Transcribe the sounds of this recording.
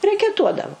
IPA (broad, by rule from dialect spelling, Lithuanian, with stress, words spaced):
rʲɛkʲɛˈtuɔdɐʋʊ